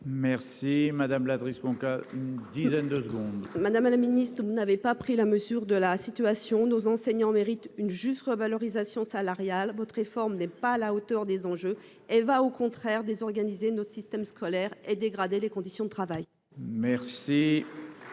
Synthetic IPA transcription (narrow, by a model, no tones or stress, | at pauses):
mɛʁsimad̪amlad̪ʁisbɑ̃kaynd̪izɛnd̪əsəɡɔ̃d̪mad̪amlaminist̪χəvunavepapχilaməzyʁd̪əlasit̪yasjɔ̃nozɑ̃sɛɲɑ̃meʁit̪ynʒyst̪ʁəvalɔʁizasjɔ̃salaʁjalvɔt̪χʁefɔʁmnɛpaːlaot̪œʁd̪ezɑ̃ʒø | ɛlvaokɔ̃t̪χɛʁd̪ezɔʁɡanizenosist̪ɛmskʰɔlɛʁed̪eɡʁad̪elekɔ̃d̪isjɔ̃d̪ət̪χavaj | mɛʁsi